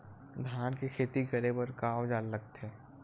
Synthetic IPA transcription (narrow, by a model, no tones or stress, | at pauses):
d̪ʱjaːnkekʰeːt̪ikəɾebəɾkaːod͡ʒaːlːək̚t̪ɛː